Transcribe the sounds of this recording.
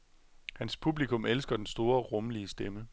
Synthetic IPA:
hænspʰub̥likʰɔ̽mʔelsɡ̥ɐd̥ensd̥o̝ːɐʁɔ̽mliəsd̥emə

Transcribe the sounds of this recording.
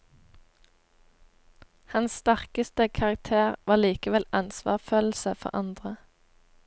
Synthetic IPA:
hɑnsst̪æʁkəst̪əkʰɑʁɑk̚t̪ʰeːʁʋɑːʁliːkəʋɛlɑnsʋɑ̰ːʁføːl̩səfɔ̰ʁɑnd̪ʁə

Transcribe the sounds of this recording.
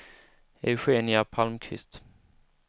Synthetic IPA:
ɛ̰ɧeːnɪapʰalmkʰvɪ̰st̪

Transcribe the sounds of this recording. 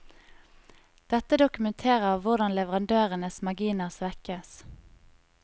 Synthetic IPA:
d̪̥ɛt̪əd̪ʊkʉmɛnt̪ʰeːʁəʁʋʊʁd̪ɑnlɛʋəʁɑnd̪øːʁənəsmɑɡiːnəsʋɛkəs

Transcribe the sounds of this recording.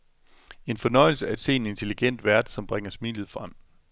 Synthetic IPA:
e̝nfɒ̽nɒ̽ɪl̩səæɐe̝d̥se̝ːe̝ne̝nt͡sʰe̝liɡ̥en̰d̥ʋæɐd̥sɒ̽mb̥ʁeŋɐsmḭːlð̩ˠfʁam̰

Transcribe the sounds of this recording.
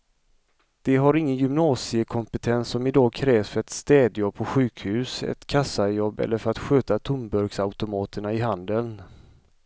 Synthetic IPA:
d̪̥ɛɦaɾɪŋːənjʏmnɑːsɪəkʰɔmpət̪ʰɛnsːɔmɪd̪ɑːɡkʰɾɛːvsfœɾɛt̪st̪ɛːd̪jɔb̚pʰɔɧʉ̟ːkhʉ̟ːsɛ̰t̪kʰasːajɔbːɛ̰lːəɾfœɾat̪ɧøːt̪at̪ʰʊmbœɾɡsaʊt̪ʊmɑːt̪əɳaɪɦand̪əln

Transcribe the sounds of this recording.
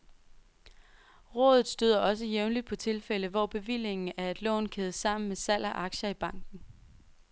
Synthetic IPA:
ʁɔ̰̽ːðˠð̩ˠsd̥yð̰ˠɐʔɒ̽s̬əjeʊnlid̥̚pʰɒ̽t͡sʰe̝lfel̰əʋɒːb̥e̝ʋil̰e̝ŋn̩æɐe̝d̥lɔ̰̽ːnkʰeðˠsɑ̈m̰n̩mesæl̰ʔɐʔɑ̈ɡ̥ɕɐib̥ɑ̈ŋ̰ɡ̥n̩

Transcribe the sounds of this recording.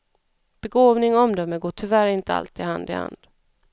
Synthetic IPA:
b̥ɛɡoːvnɪŋɔɔmd̪œmːəɡoːʈʰʏvæɾɪnt̪əa̰lt̪ɪha̰nd̪ɪ̰ha̰nd̪̥

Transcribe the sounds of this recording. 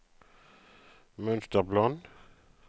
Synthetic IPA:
mœnst̪əʁblɔn

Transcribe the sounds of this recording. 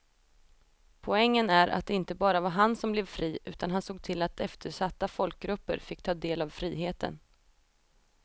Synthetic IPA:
pʰɔɛŋːənæɾʔa̰t̪̚d̪ɛɪnt̪əbɑːɾavaɦansɔmblɛvfɾiːʉ̟ːt̪ʰanɦansoːɡ̚t̪ʰɪlat̪ʰɛft̪ʰəʂat̪ːafɔlk̚ɡɾɵpːə̰ɾfɪkːt̪ʰɑːd̪eːlavfɾiːɦeːt̪ʰə̰n

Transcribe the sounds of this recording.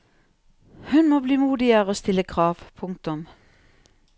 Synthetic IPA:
hʉnmoːbliːmuːd̪ɪəʁoːst̪ɪləkʰʁɑːʋpʰʊŋk̚t̪ʊm

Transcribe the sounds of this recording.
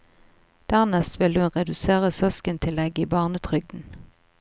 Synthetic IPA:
d̪̥æʁnɛst̪ʋɪlhʉnʁɛd̪ʉseːʁəsœskənt̪ʰɪlɛɡəiːbɑːʁnət̪ʰʁʏɡ̚d̪n̩

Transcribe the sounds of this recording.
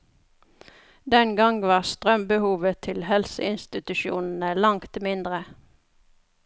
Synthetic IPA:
d̪ɛnɡɑŋʋɑːʁst̪ʁœmbəhuːʋət̪ʰɪlhɛlsəɪnst̪ɪt̪ʉʃṵːnn̩əlɑŋt̪mɪnd̪ʁə

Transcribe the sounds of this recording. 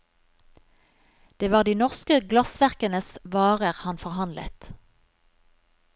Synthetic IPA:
d̪̥eːʋɑːʁd̪iːnɔʁskəɡlɑsʋæʁkənəsʋɑːʁəʁhɑnfɔʁhɑnlə̰t̪

